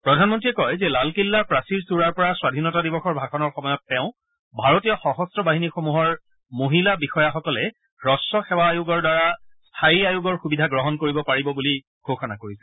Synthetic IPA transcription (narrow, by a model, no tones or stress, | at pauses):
pɹɔdʱanmɔntɹiɛkɔjzɛlalkilːapɹasiɹsuɹaɹpɔɹaswadʱinɔtadibɔxɔɹbʱaxɔnɔɹxɔmɔjɔtːɛʊ̃ | bʱaɹotijɔxɔxɔstɹɔbaɦinixomuɦɔɹ | moɦilabixɔjaxɔkɔlɛ | ɹɔsɔxɛwaːjuɡɔɹdaɹastʰajiajuɡɔɹxubidʱaɡɹɔɦɔnkoɹibɔpaɹibɔbuli | ɡ̥ʱoxɔna̰koɹisɛ